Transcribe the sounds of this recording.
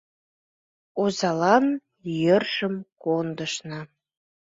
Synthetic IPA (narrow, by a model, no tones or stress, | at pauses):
ozɑlɑn | jørʒ̥əmkond̪əʃnə